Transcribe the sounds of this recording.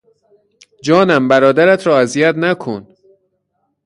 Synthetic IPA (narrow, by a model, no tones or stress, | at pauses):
d͡ʒɒːnæmbæɾɒːd̪æɾæt̪ʰɾɒːæzijæt̪nækʰon